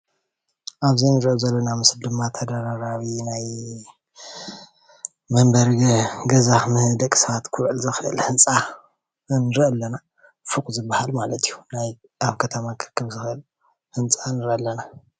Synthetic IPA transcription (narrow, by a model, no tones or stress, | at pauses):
ʔaβzinɨɾʔozɐlːonamɨsd̪ɨmːat̪ʰɐd̪aɾaɾaβinaj | mɐmbɐɾɡɐzaxmɨhd̪ɐkʼsɐβat̪kʰuɾʔɨlzɨxɨʔɨ̰lhɨnt͡sʼa | nɨɾɨʔɐlːɐna | fukʼzɨbahalmalɐt̪ʰijunaj | ʔaβkʰɐt̪ʰɐmakʰɨkʰːɨβzɨxʔɨl | hɨnt͡sʼanɨɾʔɐlːɐna